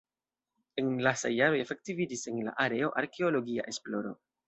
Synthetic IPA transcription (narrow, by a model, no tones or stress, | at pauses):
e̞nlasa̰jːaɾo̞je̞fe̞k̚tivid͡ʒise̞nla̰ʔaɾe̞o̞ʔaɾkʰe̞o̞lo̞ɡia̰ʔe̞splo̞ɾo̞̰